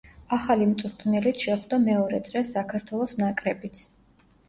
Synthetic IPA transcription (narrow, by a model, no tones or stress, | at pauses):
aχalimt̪sʼuɾt̪ʰnɛlit̪ʰʃɛχwd̪amɛɔɾɛt̪sʼɾɛsːakʰaɾt̪ʰwɛlˠɔsnakʼɾɛbit̪sʰ